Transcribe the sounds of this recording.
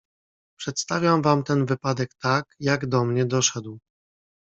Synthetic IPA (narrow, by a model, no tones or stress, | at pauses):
pʂɛt̪st̪avʲjamvamt̪ɛnvɘpad̪ɛkt̪akjaɡd̪ɔmɲɛd̪ɔʂɛd̪w